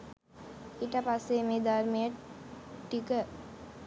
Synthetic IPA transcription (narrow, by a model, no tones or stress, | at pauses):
iʈəpasːemed̪aɾmijə | ʈːikə